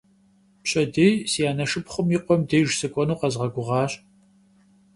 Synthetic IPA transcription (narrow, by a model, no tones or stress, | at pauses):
pɕʼɐdeːjsijaːnɐʂɨpχʷʊmjiqʷɔmdeːʒsɨkʷʼɔnuːqɐzʁɐɡʷʊʁɑːɕʼ